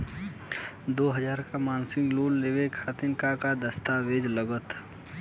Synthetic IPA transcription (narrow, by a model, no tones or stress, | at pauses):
d̪oːɦəd͡ʒaːɾkamaːnsɪ̃ŋɡloːlleːwekʰaːt̪ɪnkakad̪əst̪aʋeːd͡ʒləɡət̪